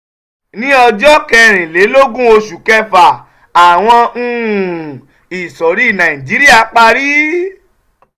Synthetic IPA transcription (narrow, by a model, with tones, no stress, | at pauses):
nĩ˦ɔ˧d͡ʒɔ˦kɛ˧ɾ̃ĩ˨le˨˦lo˦ɡũ˦o˧ʃu˨kɛ˧fa˨ | a˨w̃ɔ̃˧˨ | i˨sɔ˨ɾi˦˨nã˨ĩ˨d͡ʒi˨˦ɾi˦a˧˨k͡pa˧ɾi˦